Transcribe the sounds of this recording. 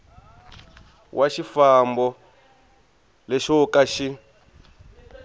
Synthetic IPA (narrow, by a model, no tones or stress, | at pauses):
wʔaʃifambɔ | lɛʃɔkaʃi